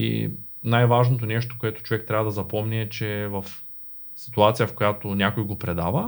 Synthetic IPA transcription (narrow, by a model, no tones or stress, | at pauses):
ḭ | najvaʒnot̪onɛʃt̪o̥koɛt̪o̥t͡ʃovɛkt̪ɾavɐd̪ɐzɐpɔmniɛt͡ʃɛvɐf | si̥t̪uat̪sijɐfkojat̪onʲjakojɡopɾɛd̪avɐ